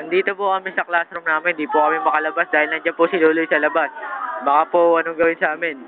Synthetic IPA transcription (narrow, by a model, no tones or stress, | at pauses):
ɐŋd̪iːt̪opʊkɐmɪnsɐklast̪ɾomnaːmɪnd̪iːpʊkɐmɪmɐkɐlɐbasd̪aːhɪlnɐnd͡ʒanpʊsɪluːlojsɐlɐbasbɐkaːpoʔɐnoŋɡɐwɪnsɐʔaːmɪn